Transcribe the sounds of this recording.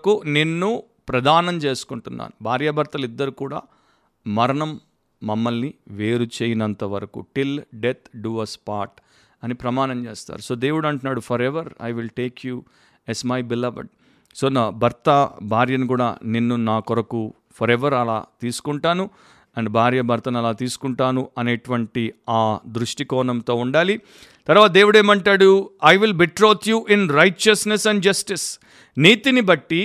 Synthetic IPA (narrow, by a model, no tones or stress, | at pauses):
kunenːu | pɾɐd̪ʱaːnɐmt͡ʃe̞ːsu̥kuɳʈunːa̰ːnubʱaːɾjɐbʱɐɾt̪ɐlid̪ːɐɾukuːɽa̰ː | mɐɾɐɳɐmː | ɐmːɐlniʋeːɾut͡ʃeːjinɐnt̪ɐʋɐɾɐkṵʈilɖet̪ʰɖuːɐspaːɾʈ | ɐnipɾɐmaːnɐmt͡ʃeːst̪a̰ːɾuso̞ːd̪e̞ːʋuɽɐɳʈunːaːɽupʰɐɾeʋɐɾɐ̰jʋilʈe̞ːkju | ɛsmɐjbilɐʋɐ̰ɖ | soːnabʱɐɾt̪ɐbʱaːɾjɐnikuːɽa̰ːninːunaːkɔɾɐku | pʰɔɾɛʋɐɾɐla̰ːt̪iːsu̥kuɳʈaːnu | ɐɳɖbʱaːɾjɐbʱɐɾt̪ɐnɐlaːt̪iːsu̥kuɳʈaːnuʔɐneːʈuʋɐɳʈiaːd̪ɾuʂʈikɔːɳɐmt̪o̞ːuɳɖaːli | t̪ɐɾʋaːt̪ɐd̪eːʋuɽeːmɐɳʈaːɽuɐjʋilbiʈɾoːt̪ʰjuːʔinɾɐjʈt͡ʃɐsnesɛɳɖd͡ʒɐsʈis | niːt̪inibɐʈːi